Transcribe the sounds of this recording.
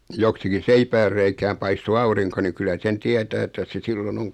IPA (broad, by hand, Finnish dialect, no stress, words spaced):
joksikin̞ seipæːrːeikæːm pɑisto ɑuriŋko ni kylæ sen tiɛtæː etːæ se silːon oŋ